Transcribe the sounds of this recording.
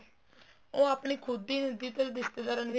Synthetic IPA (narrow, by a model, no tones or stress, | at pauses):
õːaːpɳiːkʰʊd̪ːiːnəd̪iːt̪əɾd̪ɪst̪eːd̪aːɾən